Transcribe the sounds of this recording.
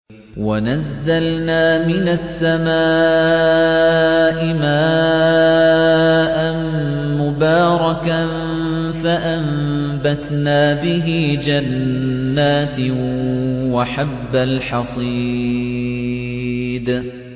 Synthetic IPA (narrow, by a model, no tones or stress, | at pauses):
wanazːalnaːmɪnasːamaː | ʔɪmaː | ʔanmʊbaːɾˤɑkan | faʔambat̪naːbɪɦɪːd͡ʒanːaːt̪ | waħabːalħɑsˤiː | d̪